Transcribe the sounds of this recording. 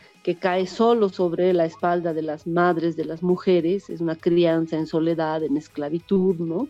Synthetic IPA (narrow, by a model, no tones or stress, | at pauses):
ke̞kaeso̞lo̞so̞βɾelaespald̪aðe̞lazmaðɾe̞zðe̞lazmuxeɾeses̬unakɾiansaenso̞le̞ðaðenesklaβit̪uðno